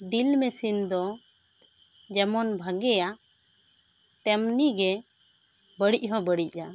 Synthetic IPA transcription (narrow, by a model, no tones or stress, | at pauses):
ɖilmɛsind̪ɔ | d͡ʒɛmɔnbʱaɡɛja | t̪ɛmniɡɛ | bəɽic̚ʲˀɦɔ̃bəɽic̚ˀa